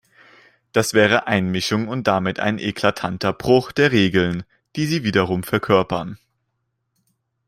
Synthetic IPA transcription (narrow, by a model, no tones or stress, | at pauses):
d̥asv̥ɛːʁ̞əʔaɪnmɪʃʊŋʊnt̚d̥amɪta̰ɪnʔḛkʰl̥atʰantɐbʁʊχd̥eːɐʁeːɡl̩n | d̥iːziːviːdɐʁ̞ʊmfɛɐkʰœɐpɐn